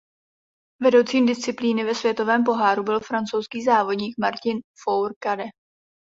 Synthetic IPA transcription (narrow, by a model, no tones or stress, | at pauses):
vɛdo̞wt͡siːmdɪst͡sɪpliːnɪvɛsvjɛt̪o̞vɛːmpo̞ɦaːɾubɪlfɾant͡sowskiːzaːvo̞dɲiːkmaɾcɪnfowɾkadɛ